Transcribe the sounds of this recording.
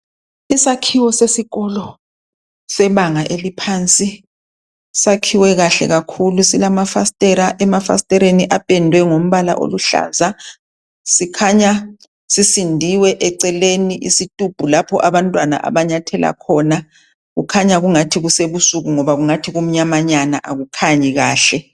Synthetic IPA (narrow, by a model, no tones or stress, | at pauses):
isakʰiwɔsesiɣɔːlɔ | sɛβaŋaʔelipʰant͡sʼi | sakʰiwɛɣaɬɛ̰ɣakʰulusilamafastʼɛɾaʔɛmafa̰stʼɛɾeniʔapʼɛndʱwɛŋom̩βala̰ʔo̰luɬa̰ːza | sikʰaɲa | sisindʱiwɛʔɛǀɛleniʔḭsitʼub̥ʱulapʰɔʔaβantʼwana̰ʔa̰βaɲatʰɛlʔa̰kʰɔna | ɣukʰaɲaɣuŋatʰiɣuseβusuɣuŋɔβaɣuŋatʰiɣum̩ɲamaɲanaʔaɣukʰaɲiɣaːɬɛ